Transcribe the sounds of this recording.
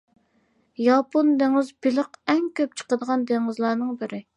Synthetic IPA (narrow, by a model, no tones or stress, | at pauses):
jɑpond̪eŋɪzbilɨqɛŋkʲʰøp̚t͡ʃʰə̥qəd̪əʁɑnd̪eŋɨzlˠɑːnɨŋbɪɾɪ